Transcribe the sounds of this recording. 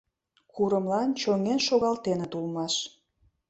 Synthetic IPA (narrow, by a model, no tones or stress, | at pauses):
kʰuɾə̆mlɑnt͡ɕøŋenʃoɣɑlt̪enet̪ulmɑʃ